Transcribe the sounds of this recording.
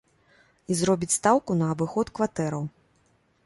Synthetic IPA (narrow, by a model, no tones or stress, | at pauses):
izɾɔbʲit͡sʲst̪awkunɐːbɨxɔt̪kvat̪ɛɾɐw